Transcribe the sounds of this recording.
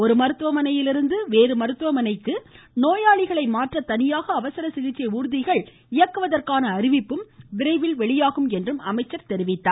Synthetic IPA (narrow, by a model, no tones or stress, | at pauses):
ɔɾɯmɐɾɯt̪ːɯʋɐmɐnɐjɪlɪɾɯnd̪ɯʋeːɾɯmɐɾɯt̪ːɯʋɐmɐnɐɪkːɯ | noːjaːɭɪɣɐɭɐɪmaːʈrɐt̪ɐnɪjaːɣɐːʋɐsɐɾɐsɪɣɪt͡ʃːɐɪuːɾɯðɪɣɐɭ | ɪjɐkːɯʋɐðɐrkaːnɐːɾɪʋɪpːɯmʋɪɾɐɪʋɪlʋɛɭɪjaːɣɯmɛndrɯmɐ̰mɐɪt͡ʃːɐɾt̪ɛɾɪʋɪt̪ːaːɾ